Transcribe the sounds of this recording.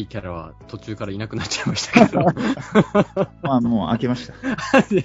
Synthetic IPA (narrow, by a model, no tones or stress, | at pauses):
ikʲaɾaβa̰t̪o̞t͡ɕɨːkaɾainakɯ̟nat͡ɕt͡ɕaimaɕi̥t̪ḁked̪o | maːmo̞ːʔa̰ke̞maɕi̥t̪ḁa